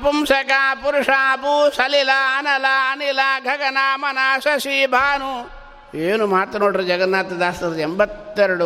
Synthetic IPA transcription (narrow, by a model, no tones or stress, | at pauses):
ɐpumsɐkaːpuɾuʂaːpuːsɐlilaɐnɐlaɐnilaːɡʱɐɡɐnaːmɐnaːsɐsiːbʱaːnu | eːnumaːt̪ːɐnoːʈɐɾɐd͡ʒɐɡɐnːaːt̪ɐd̪aːst̪ɐɾembɐt̪ːeɾɐɽu